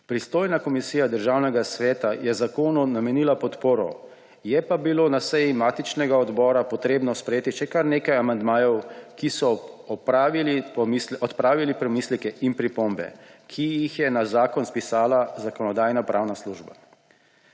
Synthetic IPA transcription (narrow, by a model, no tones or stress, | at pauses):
pɾist̪oːjnakɔmisiːjad̪əɾʒaːwnɛɡasʋɛːt̪ajɛzakoːnunamɛniːlapɔt̪poːɾɔ̰ | jɛpabiloːnasɛjimaːt̪it͡ʃnɛɡaɔd̪bɔːɾapɔt̪ɾeːbnɔspɾɛjeːt̪iʃɛkaɾneːkajamand̪maːjɔwkisɔɔpɾaːʋilipɔmislɔt̪pɾaːʋilipɾɛmiːslikɛʔinpɾipombɛ̰kʰijixjɛnazaːkɔnspisaːlazakɔnɔd̪aːjnapɾʔaːwnasluːʒba̰